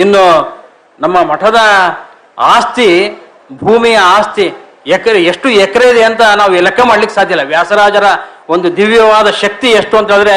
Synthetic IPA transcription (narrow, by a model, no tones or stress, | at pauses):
inːu | nɐmːɐmɐʈʰɐd̪ɐ | aːst̪i | bʱuːmijɐaːst̪i | ɛkɐɾeeʂʈuɛkɐɾejid̪eɐnt̪ɐnaːʋuɛlɐkːɐmaːɖlikːsaːd̪ʱjɐilːɐʋjaːsɐɾaːd͡ʒɐɾɐo̞nd̪ud̪iʋjɐʋaːd̪ɐʃɐk̚t̪ieʂʈuɐnt̪ɐːnd̪ɐɾe